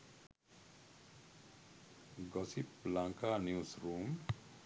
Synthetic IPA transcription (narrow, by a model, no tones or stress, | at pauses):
ɡʌsiplãŋkanjusrum